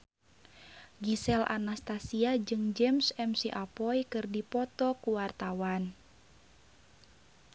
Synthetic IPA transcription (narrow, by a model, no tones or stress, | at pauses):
ɡisɛlʔa̰nast̪asiad͡ʒɨŋd͡ʒɛmsɛmsiʔapɔjkɨrdipɔt̪ɔkuwart̪awan